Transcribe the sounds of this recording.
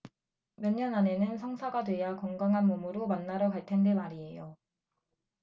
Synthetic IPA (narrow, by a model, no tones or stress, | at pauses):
mjʌɲːʌnane̞nɯnsʰʌŋsʰaɡadwe̞jakʌŋɡaŋɦanmumuɾomanːaɾʌkaɭtʰendemaɾie̞jo